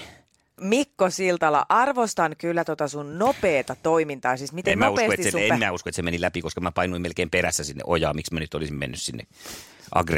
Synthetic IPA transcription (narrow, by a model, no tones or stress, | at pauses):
mikːosilt̪ɑlɑ̰ʔɑrʋost̪ɑnkylːæt̪ot̪ɑsunnopeːt̪ɑt̪oimint̪ɑːsiːsmit̪emmoueseːsoet̪iseeminæuskoet̪semenilæpikoskɑmæpɑinuimelkeːmperæsːæsinːḛʔojɑːmiksmænyt̪ːolisimmḛnːyssinːḛ | ʔɑ̰ɡre